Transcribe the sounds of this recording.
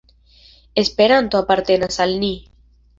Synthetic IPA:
espeɾant̪oapaɾt̪enasalni

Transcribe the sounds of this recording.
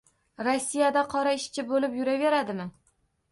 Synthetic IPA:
ɾosːijad̪aqʰɒɾaɪʃt͡ʃʰɪbolɪpjʊɾave̞ɾad̪ɪmɪ

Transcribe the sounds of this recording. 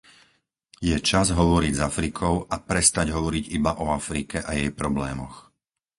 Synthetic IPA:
jɛt͡ʃazɦɔʋɔɾiɟzafɾikʰɔʊapɾɛst̪aɟɦɔʋɔɾiɟibaʔɔafɾikɛʔajɛjpɾɔblɛːmɔ̰x

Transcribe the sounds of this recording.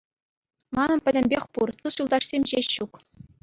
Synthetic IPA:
mɑnɤ̆npʲɘ̆dʲɘ̆mʲbʲexʲpurt̪usulˠd̪ɑʂsʲemʲʑeɕːuk

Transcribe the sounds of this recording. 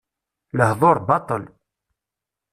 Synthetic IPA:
ləhðˤoɾˤbɑt̪ˤəl

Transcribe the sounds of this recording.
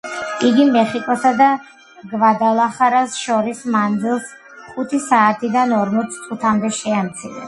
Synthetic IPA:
iɡimɛχikʼɔsad̪a | ɡvad̪alˠaχaɾasʃɔɾismand̪zilˠs | χut̪ʰisaːt̪ʰid̪anɔɾmɔt̪sʰt̪ʼut̪ʰamd̪ɛʃɛamt̪sʰiɾɛ

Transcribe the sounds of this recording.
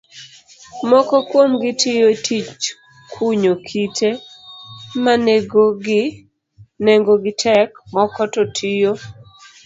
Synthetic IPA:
mɔkɔkwomɡɪtijotʰit͡ʃ | kʰuɲokʰitʰe | maneɡoɡɪ | neŋɡoɡɪtʰɛkmɔkɔtotʰijo

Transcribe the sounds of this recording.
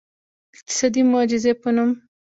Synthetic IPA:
ɪq̚t̪ɪ̥sɑd̪imʊɑd͡ʒɪzepənum

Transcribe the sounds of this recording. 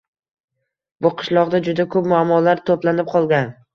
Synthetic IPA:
bʊqʰɨ̥ʃlˠɒʁd̪ad͡ʒʊd̪akʰɵpmʊamːɒlaɾt̪ʰoplanɪp̚qʰɒlˠɡʲan

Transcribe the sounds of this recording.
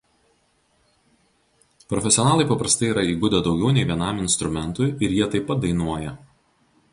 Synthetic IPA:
pɾɔfʲɛsʲɪɔnɑːlˠɐɪpɐpɾɐst̪ɐɪiːɾɐiːɡʊd̪ʲed̪ɒʊɡʲɛʊnʲɛɪʋʲiɛnɑmɪnst̪ɾʊmʲɛnt̪ʊɪɪɾjiɛt̪ɐɪpːɐt̪̚d̪ɐɪnuɔjɛ

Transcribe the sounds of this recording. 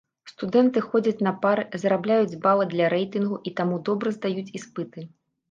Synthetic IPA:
st̪ud̪ɛnt̪ɨxɔd͡zʲɐt͡sʲnɐpaɾɨzɾablʲajud͡zʲbavɨd̪lʲɐɾɛjt̪ɨnɣuʔit̪amud̪ɔbɾɐzd̪ajut͡sʲispɨt̪ɨ

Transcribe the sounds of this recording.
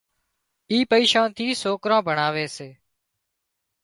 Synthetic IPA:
iːpəiːʃãːnt̪ʰiːsoːkɾãːbʱəɳaːʋeːseː

